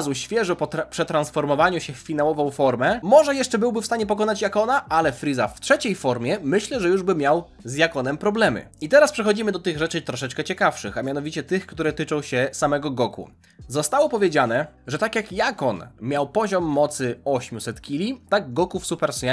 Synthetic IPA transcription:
zuɕfʲjɛʐɔpɔpʂɛt̪ɾansfɔɾmɔvaɲuɕɛfːʲin̪awɔvɔ̃w̃fɔɾmɛmɔʐɛjɛʂt͡ʂɛbɘwbɘfst̪aɲɛpɔkɔnat͡ɕjakɔnaʔalɛfɾizaftʂɛt͡ɕejfɔɾmʲjɛmɘɕlɛʐɛjuʐbɘmʲjaw | zjakɔnɛmpɾɔblɛmɘ̰it̪ɛɾaspʂɛxɔd͡ʑimɘd̪ɔt̪ɘɣʐɛt͡ʂɘt̪ɾɔʂɛt͡ʂkɛt͡ɕɛkafʂɘxamʲjanɔvʲit͡ɕɛt̪ɘxkt̪uɾɛt̪ɘt͡ʂɔ̃w̃ɕɛsamɛɡɔɡɔkṵ | zɔst̪awɔpɔvʲjed͡ʑanɛʐɛt̪akʲjakjakɔnmʲjawpɔʑɔmːɔt̪sɘɔɕmʲusɛt̪kʲilʲit̪aɡɡɔkufsupɛɾsɲa

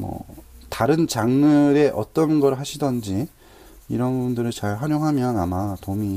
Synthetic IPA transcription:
mʌ̰taɾɯnt͡ɕaŋnɯɾe̞ʔʌt͈ʌnɡʌɾɯɭɦaɕʰidʌnd͡ʑi | iɾʌnbundɯɾɯɭt͡ɕaɭɸaɾjoŋɦamjʌnamatomi

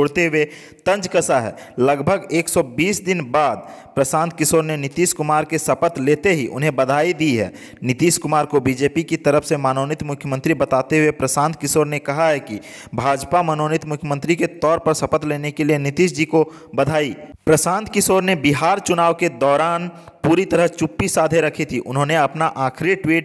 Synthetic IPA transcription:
oɽt̪eɦʊe | t̪ə̃nd͡ʒkəsaɦɛ̰ːləɡbʱəɡeːksɔbiːsd̪ɪnbaːd̪̚pɾəsãːnt̪̚ʰkɪsoːɾnenɪt̪iːskʊmaːɾkesəpət̪leːt̪eɦiʔʊ̰nɦẽbəd̪ʱaːid̪iɦɛ̰ː | nɪt̪iːʃkʊmaːɾkobid͡ʒeːpikit̪əɾəfʰsemaːnoːnɪt̪mʊkʰjəmə̃nt̪ɾibət̪aːt̪eɦʊepɾəsãːnt̪̚ʰkɪsoːɾnekɐɦaɦɛki | bʱaːd͡ʒpamənoːnɪt̪mʊkʰjəmə̃nt̪ɾiket̪ɔːɾpəɾsɐpət̪leːnekelienɪt̪iʃd͡ʒiːko | bɐd̪ʱaːipɾəsãːnt̪ʰkɪsoːɾnebɪɦaːɾt͡ʃʊnaːʋked̪ɔːɾaːnpuːɾit̪əɾəɦt͡ʃʊpːisaːd̪ʱeɾɐkʰit̪ʰiʔʊnɦõneɐpnaʔaːkʰɾiʈwiːʈ

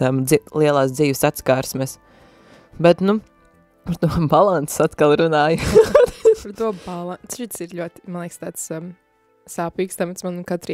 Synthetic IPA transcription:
amilˠiɛlˠaːsd̪ziːʋsat̪skaːɾsmɛs | bɛt̪nu | paɾt̪uɔbalˠant̪ssat̪kalˠɾunaːju | paɾt̪uɔbalˠanʃit̪siɾʎʲuɔt̪i̥manlˠɛjkst̪aːt̪s | saːpiːkst̪amɛt̪smankat̪ɾi

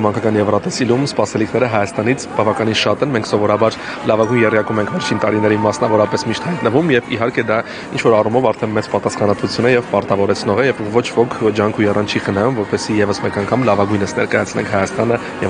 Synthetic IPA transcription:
mɑŋkʰɑkɑnjɛvrɑt̪ɛsilumspɑsɛlikʰnɛɾəɦɑjɑst̪ɑnit͡sʰb̥ɑvɑkɑninʃɑt̪ɛnmɛŋkʰsɔvɔɾɑbɑɾ | lɑvɑɡujnjɛrjɑkumɛŋkʰvɛɾt͡ʃʰint̪ɑɾinɛɾimɑsnɑvɔɾɑpɛsmiʃt̪hɑjt̪nəvumjɛvḭɦɑɾkɛd̪ɑ | int͡ʃʰvɔɾɑrumɔvɑɾt̪ʰɛnmɛt͡spɑt̪ɑsχɑnɑt̪vut͡sʰjunɛjɛvpɑɾt̪ɑvɔɾɛt͡sʰnɔʁɛjɛvːɔt͡ʃʰvɔkʰd͡ʒɑŋkʰujɛrɑnt͡ʃʰiχənɑjumvɔɾpɛsijɛvəsmɛkɑŋkʰɑmlɑvɑɡujnəsnɛ̰ɾkɑjɑt͡sʰlɛ̰ŋkʰhɑjɑst̪ɑnə | jɛ

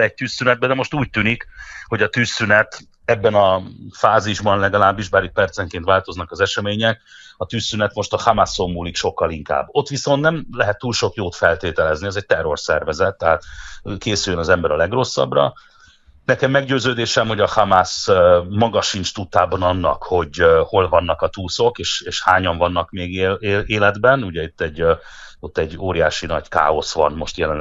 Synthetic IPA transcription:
ɛc̚t̪yːsːynɛd̪̚bɛd̪ɛmo̞ʃt̪uːc̚t̪yːnikho̞ɟɒt̪yːsːynɛt̪ | ɛbːɛnɒfaːziʒbɒnlɛɡɒlaːbːiʒbaːɾik̚pɛrt̪sɛŋkeːnt̪ʋaːlt̪o̞znɒkɒzɛʃɛmeːɲɛkɒt̪yːsːynɛt̪mo̞ʃt̪ɒhamaso̞mːuːlikʃo̞kːɒliŋka̰ːbːo̞t̪ːʋiso̞nt̪nɛmlɛɦɛt̪ːuːlʃo̞kjoːt̪fɛlt̪eːt̪ɛlɛzniɛzɛc̚t̪ɛrːo̞rsɛ̰rvɛzɛt̪ːɛɦaːt̪keːsyjønɒzɛmbɛɾɒlɛɡro̞sːɒ̰brɒ̰ | nɛkɛmːɛɡɟøːzøːd̪eːʃɛmho̞ɟɒhamasmɒɡɒʃint͡ʃt̪ut̪ːaːbɒnɒnːɒ̰kho̞ɟho̞lvɒnːɒkɒt̪uːso̞keːʃeːʃhaːɲɒɱvɒnːɒkmeːɡeeeːlɛd̪bɛnuɟɛit̪ːɛɟː | ot̪ːɛɟːoːɾijaːʃinɒɟka̰ːo̞sʋɒ̰nmo̞ʃt̪jɛlɛn

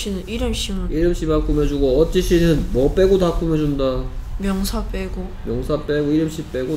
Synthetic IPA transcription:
inɯniɾɯmɕ͈imɯiɾɯmɕ͈ʰimak͈umed͡ʑuɡoʌt͡ɕ͈iɕ͈ʰinɯnmʌp͈e̞ɡotak͈ume̞d͡ʑundamjʌŋsʰap͈eɡo | mjʌŋsʰap͈eɡoiɾɯmɕ͈ʰip͈eɡo

